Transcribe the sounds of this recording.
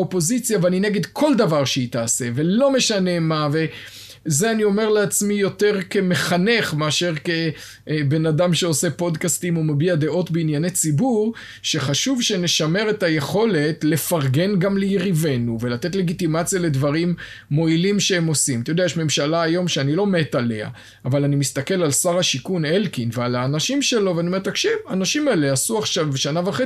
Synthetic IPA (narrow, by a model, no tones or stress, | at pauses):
opo̞zit͡sjaveanineɡed̪kʰo̞ld̪avaʁʃeit̪aːse̞ve̞lo̞meʃane̞mave̞ | zeanio̞me̞ʁleat͡smijo̞te̞ʁke̞me̞χane̞χmeaʃe̞ʁke | be̞nadamʃeo̞se̞po̞d̪kastimumabiad̪e̞ʔo̞tbeinjane̞jt͡sibuʁ | ʃe̞χaʃuvʃe̞ne̞ʃame̞ʁetaje̞χo̞le̞tle̞faʁɡe̞nɡamlejiʁive̞nuve̞lat̪e̞t̪le̞ɡit̪imat͡sijale̞dvaʁimː | o̞ilimʃeemo̞simat̪ajodeajeʃme̞mʃalaːjo̞mʃeanilo̞me̞t̪ale̞a̰ː | valanimist̪ake̞lalsaʁhaʃikunelkinvealaːnaʃimʃe̞lo̞veaniome̞takʃivanaʃimaeleasuaχʃavʃanaveχe